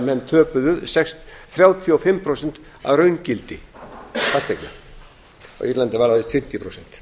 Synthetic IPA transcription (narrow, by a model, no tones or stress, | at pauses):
mɛnːt̪ʰœːpʏðʏðsɛksθɾjaːwt̪ʰiɔfɪmːpʰɾowsɛn̥t̪a̰ðɾœɥncɪlt̪ɪ | fast̪ejkna | ɔ̰ɣiɾlant̪ɪvaɾawθɪst̪fɪm̥t̪jɪpʰɾowsɛn̥t̪